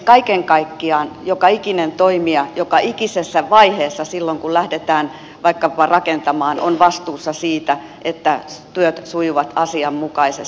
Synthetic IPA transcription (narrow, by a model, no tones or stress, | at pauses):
kɑikeŋkɑikːiɑːnjokɑikinent̪oimiɑjokɑʔikisesːæʋɑiheːsːɑsilːoŋkullæhdet̪æːn | ʋɑikːɑpɑrɑkent̪ɑmɑːno̰nʋɑst̪uːsːɑsiːt̪æ | ʔet̪ːæt̪yøt̪sujuʋɑt̪ɑsiɑmmukɑises